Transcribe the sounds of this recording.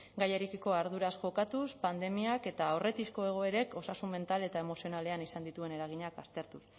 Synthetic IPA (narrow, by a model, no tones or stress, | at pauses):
ɡajeɾekiko̞aɾð̞uɾasʝo̞kat̪uspand̪e̞miake̞t̪aːore̞t̪isko̞e̞ɣ̞o̞e̞ɾe̞ko̞sasunme̞nt̪ale̞t̪ae̞mo̞sio̞nale̞anisand̪it̪ue̞ne̞ɾaɣ̞iɲakast̪e̞ɾt̪us